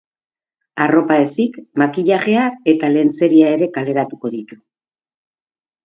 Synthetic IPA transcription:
aro̞pae̞sikmakiʎaɣe̞ae̞t̪ale̞ːnt͡se̞ɾiae̞ɾe̞kale̞ɾat̪uko̞ðit̪u̥

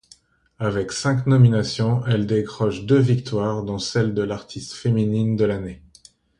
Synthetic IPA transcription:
avɛksɛ̃knɔminasjɔ̃ɛld̪ekχɔʃd̪øvikt̪waʁd̪ɑ̃sɛld̪əlaʁt̪ʰist̪feminind̪əlane

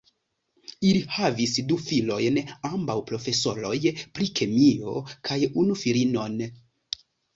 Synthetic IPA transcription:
ilihavisdufilo̞jnambawpɾo̞fe̞so̞ɾo̞jpɾikʰemio̞kʰajunufilino̞n

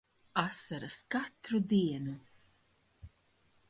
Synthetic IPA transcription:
asaɾaskat̪ɾud̪iɛnu

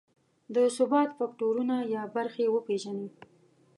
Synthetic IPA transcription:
d̪əsʊbɑt̪fɑk̚ʈoɾunajɑbaɾxewəpeʒane

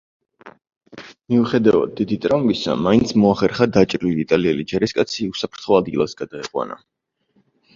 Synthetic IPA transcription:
miuχɛd̪ava̰d̪̚ːid̪it̪ʼɾavumbisa̰maint̪sʰmɔaχɛɾχad̪at͡ʃʼɾiliːt̪ʼaliɛlid͡ʒɛɾiskʼat̪sʰiusapʰɾt̪ʰχɔad̪̚ɡilˠasɡad̪aɛqʼwa̰na̰

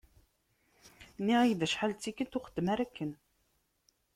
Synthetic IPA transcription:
nːiʁijðəʃħalt͡sːikːət̪ʊχəd̪ːmæɾækːən

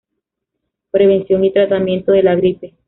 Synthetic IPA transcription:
pɾe̞βe̞nsjo̞nit̪ɾat̪amje̞nt̪oðe̞laɣɾipe

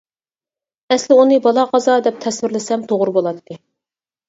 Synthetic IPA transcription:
ɛslɪunɨbɑlˠɑqɑzɑd̪ɛp̚t̪ʰɛswɪɾlɪsɛmt̪ʰoʁʊɾbolˠɑt̪ːɨ

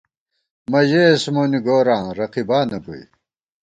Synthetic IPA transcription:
mɐʑesmoːniɡoːɾãːɾɐqibaːnɐko̰ḭ

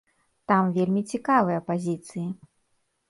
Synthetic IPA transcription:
t̪amvʲelʲmʲit͡sʲikavɨjɐpazʲit̪sɨji

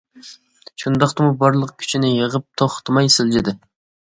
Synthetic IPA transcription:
ʃund̪ɑχt̪ɨmubɑɾlˠəq̚kʲʰy̥t͡ʃʰinɪjəʁəp̚t̪ʰoχt̪mɑjsɪld͡ʒɪd̪ɪ

